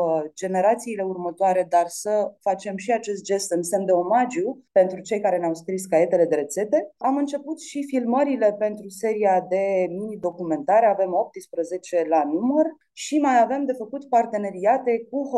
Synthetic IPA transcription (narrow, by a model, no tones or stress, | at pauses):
əd͡ʒe̞ne̞ɾat̪siːle̞urmət̪oaɾe̞d̪arsəfat͡ʃe̞mʃiat͡ʃe̞s̬t̪̚d͡ʒe̞st̪ɨnsemd̪e̞o̞mad͡ʒupe̞nt̪ɾut͡ʃe̞jkaɾe̞neawskɾiskae̞t̪e̞le̞d̪e̞ɾe̞t̪se̞t̪e̞amɨnt͡ʃe̞put̪ʃifilməɾile̞pe̞nt̪ɾuse̞ɾiad̪e̞mid̪o̞kume̞nt̪aɾeave̞mo̞p̚t̪ɨspɾəze̞t͡ʃe̞lanumər | ʃimajave̞md̪e̞fəkut̪part̪e̞ne̞ɾiat̪e̞kuh